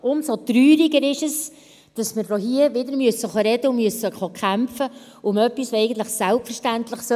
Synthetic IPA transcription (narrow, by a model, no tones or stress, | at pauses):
ʔʊmsot̪ɾyːɾiɡəɾɪʃɛs | d̥ɑsmɪɾdoɦiəʋɪdəɾmyəsːəχɔɾɛd̥əʊmyəsəχɔkʰχæmfə | ʊmœpːisɛɪɡən̩t̪ləχsælpfərʃtænt̪ləχsœ